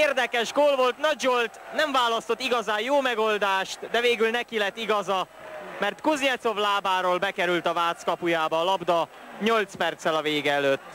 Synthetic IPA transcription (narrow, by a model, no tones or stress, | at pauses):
eːrd̪ɛkɛʒɡoːlvo̞lt̪nɒd͡ʒolt̪nɛɱvaːlɒst̪ot̪ːiɡɒzaːjjoːmɛɡo̞ld̪aːʃt̪d̪ɛveːɡylnɛkilɛt̪ːiɡɒzɒ | mɛrt̪kuzɲɛt̪so̞vlaːbaːɾoːlbɛkɛɾylt̪ɒvaːt̪skɒpujaːbɒːlɒbd̪ɒ | ɲo̞lt̪spɛrt̪sɛlɒveːɡɛɛløːt̪ː